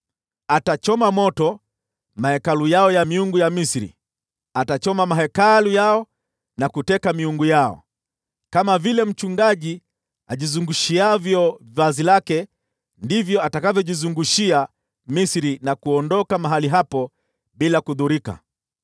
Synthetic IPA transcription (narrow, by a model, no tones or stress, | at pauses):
atat͡ʃɔmamɔtɔ | mahɛkalujaɔjamiuŋɡujamisɾḭ | atat͡ʃɔmamaɦɛkalujaɔ | nakutɛkamiuŋɡujaɔ̰ | kamavilɛm̩t͡ʃuŋɡaʄi | aʄizuŋɡuʃiavjɔvvazilakɛ | ndivjɔatakavjɔʄizuŋɡuʃia | misiɾinakuɔndɔkamaɦaliɦapɔ | ɓilakuðuɾika̰